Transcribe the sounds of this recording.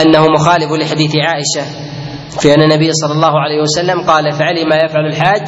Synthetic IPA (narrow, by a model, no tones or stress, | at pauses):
ʔanːahʊmʊxaːlɪflɪħad̪iːθɪʕaːʔɪʃa | fiʔanːanːabɪjːasˤɑlːɑlˤːɑːhʊʕalajhɪwasalːamqɑːlafaʕalɪmajafʕalalħaːd͡ʒ